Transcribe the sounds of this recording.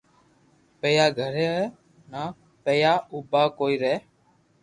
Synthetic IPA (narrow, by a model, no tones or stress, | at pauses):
peːjaːɡʱəɾeːɛ | naː | peːjaːuːbaːkoːiːɾɛː